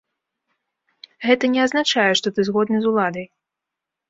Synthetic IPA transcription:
ɣɛt̪ɐnʲɛɐznat͡ʂajɛʂt̪ɔt̪ɨzɣɔd̪nɨzulˠad̪ɐj

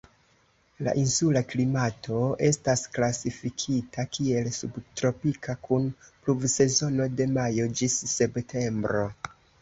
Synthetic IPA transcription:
la̰ʔinsulaklimatʰo̞e̞stasklasifikʰitakie̞lsubtɾo̞pikʰakunpluvse̞zo̞no̞de̞majo̞d͡ʒisːe̞ptʰe̞mbɾo̞

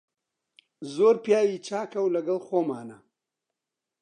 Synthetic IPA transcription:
zoːɾpjaːjit͡ʃaːkɐwlɐɡɐlxoːmaːnɐ

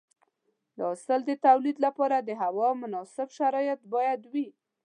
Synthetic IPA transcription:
d̪əɑsəld̪ət̪awlid̪lapɑɾad̪əɦawɑmʊnɑsɪbʃaɾɑjat̪̚bɑjad̪wi

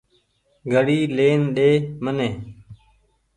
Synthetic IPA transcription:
ɡʱəɽiːleːnɗeːməneː

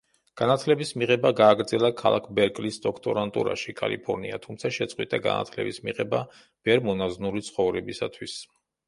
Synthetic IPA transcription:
ɡ̥anat̪ʰlɛbismiʁɛbaɡaːɡɾd̪zɛlˠakʰalˠakʰbɛɾkʼlisd̪ʼɔkʰt̪ʼɔɾant̪ʼṵɾa̰ʃikʼalipʰɔɾnia̰t̪ʰumt̪sʰaʃɛt̪sʼqʼwit̪ʼaɡa̰na̰t̪ʰlɛ̰bismiʁɛba | b̥ɛɾmɔnaznuɾit̪sʰχɔvɾɛbisat̪ʰwis

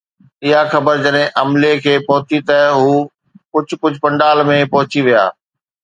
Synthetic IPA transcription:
ɪɦaxɐbəɾd͡ʑɐɗɦɪ̃ʔɐmlekʰeːpɐɦʊt͡ɕit̪ɐɦuː | kʊd͡ʑʱʊ̆kʊd͡ʑ̆ʱpɐ̃ɳɖaːlmẽpɐɦʊt͡ɕiʋija̰ː

